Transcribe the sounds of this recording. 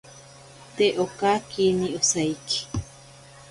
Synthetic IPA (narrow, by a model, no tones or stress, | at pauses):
t̪eʔokakiniosaiki̥